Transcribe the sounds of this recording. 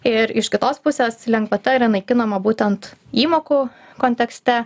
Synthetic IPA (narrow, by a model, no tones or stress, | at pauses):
ɪɾɪʃkʲɪt̪oːspʊsʲeːslʲɛŋkʋɐt̪ʲɛɪɾnɐɪkʲɪnoːmɐbuːt̪ʲɛnt̪iːmoːku | koːnʲt̪ʲɛksʲt̪ʲɛ